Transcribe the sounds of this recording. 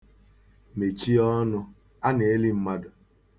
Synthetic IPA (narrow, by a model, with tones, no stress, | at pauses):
me˨t͡ʃi˦ɔ˦nʊ˦ | a˦ne˨e˦li˦m̩˦ma˦dʊ˨